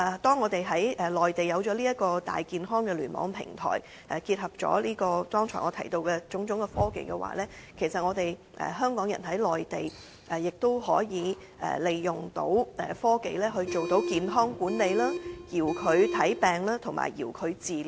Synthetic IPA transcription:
ɛ˨˩t̪ɔː˥ŋːɔː˨˧t̪e˨jɦɐ˨˥jʔɛ˨˩lɔː˨jt̪e˨jɐ˨˧wt͡ʃɔː˨˥liː˥jɐ˥t̚kɔː˧t̪a̰ː˨jkiː˨nɦɔː˥ŋkɛː˧lyː˨˩nmɔ̰ː˨˥ŋpʰɪ̰˨˩ŋt̪ʰɔ̰ː˨˩j | ʔɛ˨kiː˧t̚hɐ˨p̚t͡ʃɔ̰ː˨˥liː˥kɔː˧t̪ɔː˥ŋt͡ʃʰɔ̰ː˨˩ŋɔː˨˧t̪ʰɐ̰˨˩jt̪o˧wkɛː˧t͡ʃʊ˨˥ŋt͡ʃʊ˨˥ŋkɛ˧fɔː˥kḛ˨jkɛ˧wa̰ː˨˩lɛː˥kʰe˨˩jsɐ˨t̚ŋɔː˨˧t̪e˨j | ʔɛ̰ː˨ɦœː˥ŋkɔː˨˥ŋjɐ̰˨˩nɦɐ˨˥jlɔː˨jt̪e˨j | ʔɛ˨˩jɪ˨k̚t̪o˥wɦɔː˨˥jiː˨˧ | ɛ̰ː˨˩le˨jːʊ˨ŋt̪o̰˨˥wɛ̰˨fɔː˥ke˨jlɛː˥ɦɵ˧ɥt͡ʃo˨wt̪o˨˥wkiː˨nɦɔː˥ŋkuː˨˥nle˨˧jlaː˥jiː˨˩wkʰɵ˨˧ɥt̪ʰɐ˨˥jpɛː˨ŋlaː˥t̪ʰʊ˨˩ŋma̰ː˨˩jjḭː˨˩wkʰɵ˨˧ɥt͡siː˨l

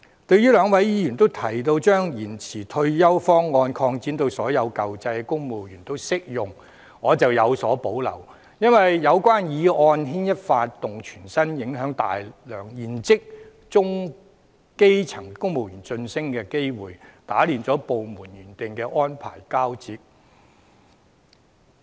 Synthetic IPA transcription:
t̪ɵ˧ɥjyː˥lœː˨˧ŋwɐ˨˥jjiː˥jy˨˩nt̪o˥wt̪ʰɐ˨˩jt̪o˧wt͡ʃœː˥ŋjiː˨˩nt͡sʰiː˨˩t̪ʰɵ˧ɥjɐ˥wfɔː˥ŋːɔː˧nkʰɔː˧ŋt͡siː˨˥nt̪o˧wsɔː˨˥jɐ˨˧wkɐ˨wt͡sɐ˧jkʊ˥ŋmo˨˩wjyː˨˩nt̪o˥wsɪ˥k̚jʊ˨˩ŋ | ŋɔː˨˧t͡sɐ˨wjɐ˨˧wsɔː˨˥po˨˥wlɐ̰˨˩w | jɐ˥nwɐ˨jjɐ˨˧wkʷwaː˥njiː˨˧ɔː˧nɦiː˥njɐ˥t̚faː˧t̚t̪ːʊ˨ŋt͡ʃʰyː˨˩nsɐ˥njɪ˨˥ŋɦœː˨˥ŋt̪a̰ː˨jlœː˨˩ŋjiː˨˩nt͡sɪ˥k̚ | t͡sʊ˥ŋ | ke˥jt͡sʰɐ˨˩ŋkʊ˥ŋmo˨wjyː˨˩nt͡sɵ˧nsɪ˥ŋkɛː˧ke˥jwuː˨jt̪aː˨˥liː˨nt͡sɔː˨˥po˨wmuː˨˩njyː˨˩nt̪ɪ˨ŋkɛː˧ʔɔː˥npʰa̰ː˨˩jkaː˥wt͡siː˧t̚

